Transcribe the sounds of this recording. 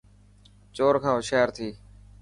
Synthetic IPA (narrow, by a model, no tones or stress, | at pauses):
t͡ʃoːɾkʰãːɦʊʃaːəɾt̪ʰiː